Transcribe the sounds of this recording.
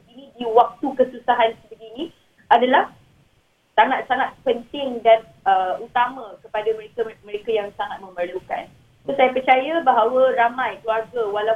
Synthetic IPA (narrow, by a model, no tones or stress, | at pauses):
inĩdiwak̚t̪ukəsusaɦansəbəɡinĩ | adalah | saŋat̪̚saŋat̪̚pənt̪ɪŋdan | əut̪amãkəpadamə̃ɾekamə̃ɾekajaŋsaŋat̪̚mə̃mərluka̰n | t̪usajapərt͡ʃajabaɦawaramãjkluarɡawala